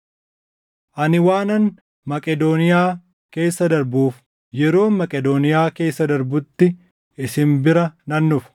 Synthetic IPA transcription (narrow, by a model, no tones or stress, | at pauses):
ʔɐnɪwaːnɐn | mɐkʼɛd̪oːnɪjaː | ke̞ːsːɐd̪ɐɾbuːf | jɛɾo̞ːmɐkʼɛd̪oːnɪjaːke̞ːsːɐd̪ɐɾbʊt̪ːɪ | ɪsɪmbɪɾɐnɐnːʊf